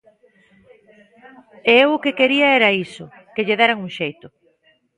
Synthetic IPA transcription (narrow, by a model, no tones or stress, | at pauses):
eewʊkekeɾiɐɛɾɐisʊ | keʎeðeɾaŋuŋʃejt̪ʊ